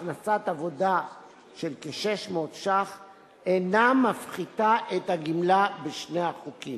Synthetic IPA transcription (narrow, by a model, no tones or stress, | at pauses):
χnasatavo̞da | ʃelkeʃeʃmot̪ʃaχ | enamafχitaʔethaɡimlabeʃneaχukim